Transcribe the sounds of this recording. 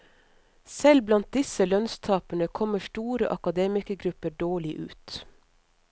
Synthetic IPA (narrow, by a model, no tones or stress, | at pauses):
sɛlblɑnt̪̚d̪ɪsəlœnst̪ʰɑːpənəkʰɔməʃʈuːɾəʔɑkɑd̪eːmɪkəɡɾʉpəɖoːɭɪʔʉ̰ːt̪